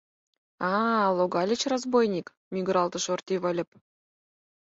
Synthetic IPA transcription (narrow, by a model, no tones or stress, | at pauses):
ɑlˠoɡɑlʲɘ̆t͡ɕrozbojnʲik | mʲiɡ̆ɾɑlˠt̪ɤ̆ʃort̪ʲiβə̆lʲɘ̆p̚